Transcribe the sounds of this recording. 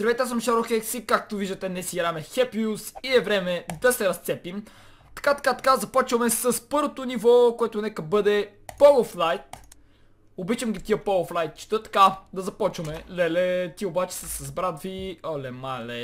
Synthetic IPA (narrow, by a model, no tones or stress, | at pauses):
sɾvɛt̪as̬əmʃaɾoxɛksikak̚t̪oviʒd̪ət̪ɛnɛsiɡɾamɛxɛpiusiɛvɾɛmɛd̪ɐsɛɾɐst̪sɛpim | t̪ɐ̥kat̪ɐ̥kat̪ɐ̥kazɐpɔt͡ʃvɐmɛsəspɤɾvot̪onivɔkoɛt̪onɛkəbɤd̪ɛ | pɔlˠoflˠajt̪ | obit͡ʃəmɡʲit̪iəpolˠoflˠajt̪̚t͡ʃi̥t̪ət̪ɐ̥kad̪ɐzɐpɔt͡ʃvɐmɛlɛlɛt̪iobat͡ʃɛ̥səsɐzbɾat̪viɔlɛmalɛ